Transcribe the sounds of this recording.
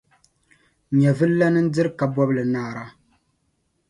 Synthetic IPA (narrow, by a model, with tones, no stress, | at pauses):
ɲɛ˨vɨ˦lla˦nɨ˦n̩˦dɨ˦ɾɨ˦ka˨bɔ˦blɨ˨naː˦˨ɾa˦